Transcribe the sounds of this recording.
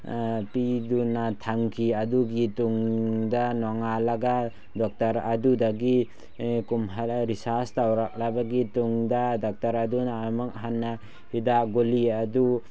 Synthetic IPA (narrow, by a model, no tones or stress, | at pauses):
pidunːatʰaŋkʰiaduɡituŋdanɔŋalaɡa | dɔk̚taɾadudaɡi | kumɦaɾisastawɾak̚labaɡituŋdadɔk̚taɾadunamaŋɦanːa | hidaɡoliadu